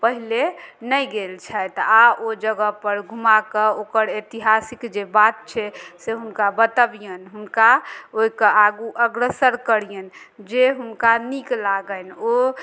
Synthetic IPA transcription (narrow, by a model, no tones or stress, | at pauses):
pəɦilenəjɡelt͡ʃʰɛt̪aʔod͡ʒəɡəpəɾɡʱumakəokəɾet̪iɦasikd͡ʒebat̪̚t͡ʃʰɛseɦunkabət̪əbijənɦunkaoikəʔaɡuʔəɡɾəsəɾkəɾijən | d͡ʒeɦunkaniklaɡəno